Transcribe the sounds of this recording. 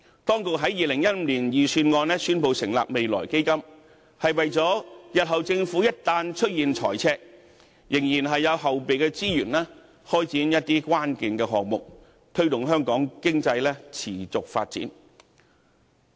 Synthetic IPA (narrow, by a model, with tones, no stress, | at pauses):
t̪ɔː˥ŋkʊ˨k̚ɦɐ˨˥jiː˨lɪ˨˩ŋjɐ˥t̚m˧liː˨˩njiː˨syː˧nŋɔː˧nlɛː˥syː˥npo˨˧wsɪ˨˩ŋla̰ː˨p̚me˨jlɔ̰ː˨˩jke˥jkɐ˥m | hɐ˨jwɐ˨jt͡sɔː˨˥jɐ˨t̚ɦɐ˨wt͡sɪ˧ŋfuː˨˥jɐ˥t̚t̪aː˧nt͡ʃʰɵ˥t̚jiː˨nt͡ʃʰɔː˨˩jt͡sʰɛː˧k̚ | jɪ˨˩ŋjiː˨˩nɦɐ˨jːɐ˨˧whɐ˨wpe˨jkɛ˧t͡siː˥jyː˨˩nlɛː˥ | hɔː˥jt͡siː˨˥njɐ˥t̚t̪iː˥kʷwaː˥nkɪ˨ŋkɛː˧ɦɔː˨k̚mʊ˨k̚ | t̪ʰɵ˥ɥt̪ʊ˨˩ŋɦœː˥ŋkɔː˨˥ŋkɪ˥ŋt͡sɐ˧jlɛː˥t͡sʰḭː˨˩t͡sʊ˨k̚fa̰ː˧t̚t͡sḭː˨˥n